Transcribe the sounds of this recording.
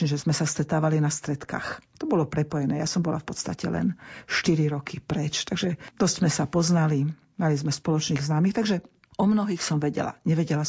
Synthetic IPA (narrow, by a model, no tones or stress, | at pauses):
ɲɛʒɛzmɛsast̪ɾɛt̪aːʋalinast̪ɾɛt̪ka̰ːxt̪ɔbɔlɔpɾɛpɔjɛnɛːjasɔmbɔla̰fpɔt̪st̪acɛ̰lɛ̰nʃt̪iɾiɾɔkipɾɛt͡ʃt̪aɡʒɛd̪̥ɔsz̥zmɛsapɔznali | malizmɛspɔlɔt͡ʃniːɣznaːmiːxt̪aɡʒɛ | ɔmnɔɦiːxsɔmʋɛɟɛ̰la̰ɲɛʋɛɟɛla